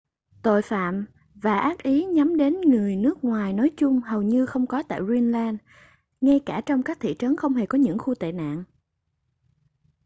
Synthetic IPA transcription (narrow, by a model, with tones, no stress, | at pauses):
t̪o̰˧˨jfa̰ː˧˨m | vaː˨˩ʔaː˦˥k̚ʔi˨˦ɲa˨˦mɗe˨˦nŋɨ˨˩əjnɨ˦˥ək̚ŋwaː˨˩jnɔ˨˦jt͡ɕʊ˧ŋ͡mhə˨˩wɲɨ˧xə˧wŋ͡mkɔ˨˦t̪a̰ː˧˨jzwi˧nlaː˧n | ŋa˧jkaː˧˩t͡ɕɔ˧wŋ͡mkaː˦˥k̚t̪ʰḭ˧˨t͡ɕə˨˦nxə˧wŋ͡mhe˨˩kɔ˨˦ɲɨ̰˧˥ŋxu˧t̪ḛ˧˨na̰ː˧˨ŋ